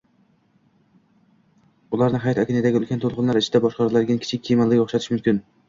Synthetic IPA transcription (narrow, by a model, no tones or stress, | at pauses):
ʊlˠaɾnɪɦajɒt̪akʲɪnɪd̪aɡʲɵlˠkʲant̪ʰolˠqʊnlaɾɪt͡ʃʰɪd̪abɒʃqɑɾlˠaɾɡʲankʰʲɪ̥t͡ʃʰɪkʲːʰejmalːɪɡʲoχʃat̪ʰɪʃmʊmkʲɪn